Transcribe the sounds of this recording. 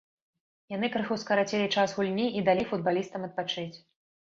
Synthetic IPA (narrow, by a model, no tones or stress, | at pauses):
janɨkɾɨxuwskɐɾat͡sʲɛlʲit͡ʂasɣulʲnʲiʔid̪alʲifud̪̚balʲist̪ɐmɐt̪̚pat͡ʂɨt͡sʲ